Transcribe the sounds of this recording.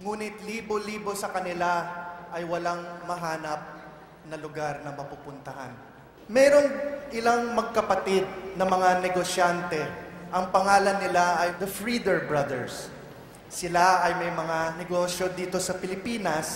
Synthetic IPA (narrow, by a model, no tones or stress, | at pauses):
ŋuːnɪt̪liːboliːbo̞sɐkɐnɪlaʔɐjwɐlaŋmɐɦaːnɐp̚ | nɐlʊɡaɾnɐŋmɐpupʊnt̪ɐɦa̰n | mɛːɾo̞ŋʔɪlaŋmɐɡ̚kɐpɐt̪ɪd̪̚nɐmɐŋanɛɡoʃjant̪ɛʔɐŋpɐŋaːlɐnːɪlaʔɐjd̪ɐfɹid̪ɛɹbɹɐd̪ɛɹsː | ɪlaʔɐjmɐjmɐŋanɛɡo̞ʃjo̞d̪iːt̪o̞sɐpɪlɪpiːnɐs